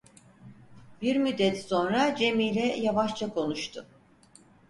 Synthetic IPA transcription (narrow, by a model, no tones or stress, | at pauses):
b̥iɾmyd̪ːɛt̪so̞nɾad͡ʒe̞miːlʲɛjavaʃt͡ʃʰakʰo̞nuʃt̪ʰʊ